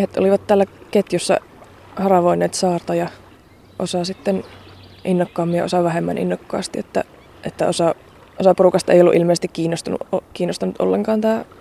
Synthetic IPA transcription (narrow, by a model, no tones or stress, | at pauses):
ehet̪o̰liʋɑt̪t̪æːlːæket̪jusːɑ̰ | hɑrɑʋoinːeːt̪sɑːrt̪ɑjɑ | ʔosɑsit̪ːenʔinːokːɑːmːijɑ̰osɑʋæhemːæ̰nʔḭnːokːɑ̰ːst̪iet̪ːæ̰ | ʔet̪ːæ̰osɑ | osɑpurukɑst̪ɑḛijolːuʔilmeˑːsest̪ikkiːnːost̪ɑnṵokiːnːost̪ɑnut̪ʔo̰lːḛŋkɑːnt̪æː